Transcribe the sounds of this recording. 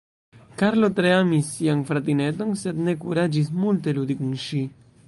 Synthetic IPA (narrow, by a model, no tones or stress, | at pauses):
kaɾlot̪ɾeamisːiaŋfɾat̪inet̪onsed̪nekuɾad͡ʒismult̪elud̪ikuŋʃi